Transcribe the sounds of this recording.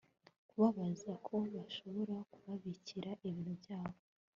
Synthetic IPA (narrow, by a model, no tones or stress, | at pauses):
kuβaβazakʰo̞βaʃo̞βo̞ɾakuβaβiciɾaʔiβiːn̥hubɟaːβo